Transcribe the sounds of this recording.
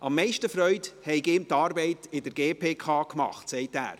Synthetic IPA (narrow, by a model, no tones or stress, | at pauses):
ʔɑmːɛɪʃtəfɾœʏthɛɪkɪmtɑːɾbɛɪtɪdəɾɡeːpʰeːkʰɑːkmɑ̰χtsɛɪtæ̰ːɾ